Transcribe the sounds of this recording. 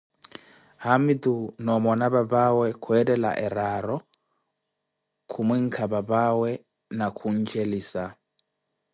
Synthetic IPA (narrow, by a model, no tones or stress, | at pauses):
ɦamid̪unɔmɔnaβabawɛkʰuɛdɛla̰ʔɛɾaɾɔ | kʰumiŋ̩kʰababawɛ | nakʰun̩d͡ʒeliːsa